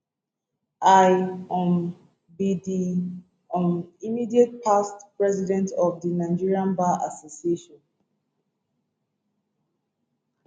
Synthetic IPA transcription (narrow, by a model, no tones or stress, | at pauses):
ʔajɔ̃m | bidi | ɔ̃nimidiet̚pʰastpɹɛzidɛ̃ntɔvdinaɪd͡ʒiɹiãnbaʔasosieʃɔ̃n